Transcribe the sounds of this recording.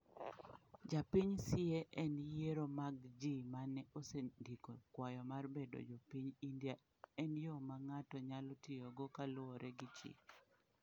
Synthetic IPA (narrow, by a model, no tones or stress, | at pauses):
d͡ʒapiɲsɪɛʔɛnjeɾomaɡd͡ʒimanɛʔosedikokwajɔmarbedo̰d͡ʒopiɲindja | ɛnjɔmaŋatɔɲalɔtɪoɡokalʊɔɾʔɛɡɪt͡ʃḭ